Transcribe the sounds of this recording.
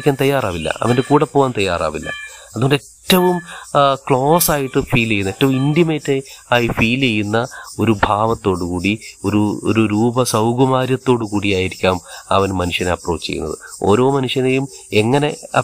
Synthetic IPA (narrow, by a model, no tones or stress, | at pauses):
kʲːaːnt̪ɐjːaːraːʋilːɐ̰ɐ̰ʋɐnde̞kuːɽɐpːoːɣaːnt̪ɐjːa̰ːra̰ːʋilːɐ̰ɐðuoɳɖetːɐʋumkɭo̞ːsaːjiʈːɨfiːlejːunːɐetːɐʋumindiɐmeːtːeaːjifiːlejːunːɐo̞ɾubʱaːʋɐt̪ːo̞ːɽukuːɽioɾuo̰ɾuɾuːbɐsɐwɡɐmaːɾjɐt̪ːo̞ːɽukuːɽijaːjiɾikʲːaːmɐ̰ʋɐnmɐnuʂjɐneɐpro̞ːt͡ɕːt͡ɕḛjːunːɐ̰ðɨ̰o̞̰ːɾo̞ːmɐnuʂjɐnejume̞ŋːɐne̞ɐ